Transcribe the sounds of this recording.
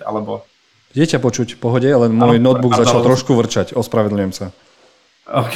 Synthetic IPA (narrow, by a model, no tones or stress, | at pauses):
a̰lɛbɔ | ɟɪɛcapɔt͡ʃucpɔɦɔɟɛalɛmʊɔjnɔd̪̚buɡzat͡ʃalt̪ɾɔʃkuʋr̩t͡ʃacɔspɾaʋɛd̪l̩ɲʊjɛmsa | k